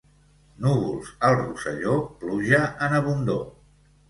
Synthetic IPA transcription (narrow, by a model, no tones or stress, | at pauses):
nuβṵlˠzəlˠrusə̰ʎopluʒəʔənəβund̪o̰